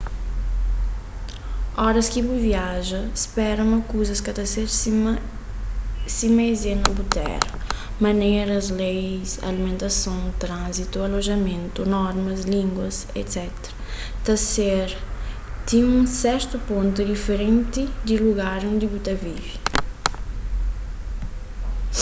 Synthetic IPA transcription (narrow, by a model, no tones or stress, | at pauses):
ɔɾɐskibuviaʒɐspɛɾɐmɐkuzɐskɐt̪ɐseɾ | simejzenɐbut̪ɛ̰ɾɐ | mɐ̃neɾɐzlejsa̰limẽnt̪ɐsõw̃t̪ɾãzit̪ualoʒɐmẽnt̪unɔɾmɐzlĩŋɡwɐs | ḛt̪sɛt̪ɾɐ̥ | t̪ɐseɾ | t̪ĩũsɛɾt̪upõnt̪ud̪ifeɾẽnt̪id̪iluɡaɾõnd̪ibut̪ɐvivi